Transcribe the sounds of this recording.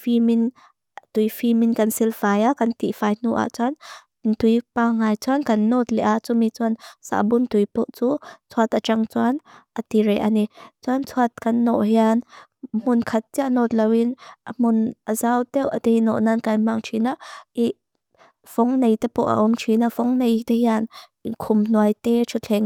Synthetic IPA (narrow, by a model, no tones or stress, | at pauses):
fimin | t̪ujfiminkɐnsilfajaʔkɐnt̪ḭfajnuʔa̰ʔt͡suan | nt̪ujpaŋaːjt͡suankɐnːɔt̪̚lɛʔaʔt͡sumit͡suansa̰bunt̪ujpɔʔt͡sut͡sʰuat̪ʔat͡ʃaŋt͡suanʔat̪iɾɛjʔanit͡suant͡sʰuat̪̚kɐnːɔ̰ʔɦian | mʊnkʰɐt̪̚t͡siʔanɔt̪̚lɐwinʔamʊnʔəzawt̪ɛwʔət̪ejnɔ̰ʔnankajmaŋt͡ʃʰinaʔʔiʔ | v̥ɔŋnejt̪epɔʔa̰ʔɔmt͡ʃʰinafɔŋnejt̪ehian | kʰʊmnuajt̪ɛt͡ʃʰut͡ɬʰɛŋ